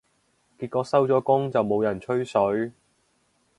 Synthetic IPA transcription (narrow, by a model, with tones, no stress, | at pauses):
kiː˧t̚kɔː˨˥sɐ˥wt͡sɔː˨˥kʊ˥ŋt͡sɐ˨wmo˨˧wjɐ˨˩nt͡ʃʰɵ˥ɥsɵ˨˥ɥ